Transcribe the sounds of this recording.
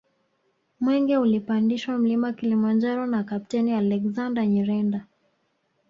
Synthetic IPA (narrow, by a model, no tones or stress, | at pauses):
mwɛŋɡɛulipandiʃwam̩limakilimand͡ʒaɾɔnakapitɛnialɛkzandaɲiɾɛnda